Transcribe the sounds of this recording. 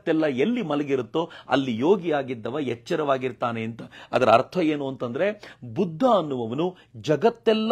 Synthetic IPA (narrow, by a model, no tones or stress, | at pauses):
t̪ːɛlːɐelːimɐlɐɡiɾut̪ːoɐ̰lːijo̞ːɡijaːɡid̪ːɐʋɐjɛt͡ʃːɐɾɐʋaːɡiɾt̪aːneːnt̪ɐɐd̪ɐɾɐɐ̰ɾt̪ʰɐe̞ːnuɐnt̪ɐnd̪ɐɾe̞bud̪ʱːaɐnːuʋɐʋɐnu | d͡ʒɐɡɐt̪ːɛlː